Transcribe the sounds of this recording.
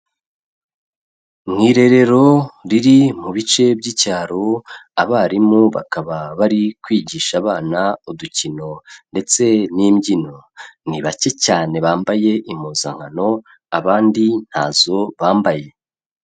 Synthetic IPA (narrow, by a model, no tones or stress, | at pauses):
mŋiːɾe̞ɾe̞ɾo̞ɾiɾimuβit͡ʃe̞bɟicaːɾo̞aβaɾimuβa̰kaβaβaɾikwiːɟiːʃaːβaːnauducino̞nde̞t͡se̞niːmɟino̞niβace̞caːne̞βaːmbaje̞ʔimuːza̰ŋ̥hano̞ | aβaːndin̥ha̰ːzo̞βaːmbaje̞